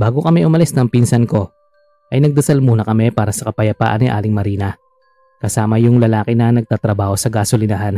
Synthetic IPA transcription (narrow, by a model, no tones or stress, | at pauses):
baːɡokɐmɛʔʊmɐlɛsnɐŋpinsɐnko̞ | ʔɐjnɐɡ̚d̪ɐsalmuːnɐkɐmɛpaːɾɐsɐkɐpɐjɐpa̰ːʔɐnɪʔa̰ːlɪŋmɐɾiːnɐ | kɐsaːmɐjʊŋlɐlaːkɪnɐnɐɡ̚t̪aːt̪ɾɐbaːho̞sɐɡaːsolɪnɐɦan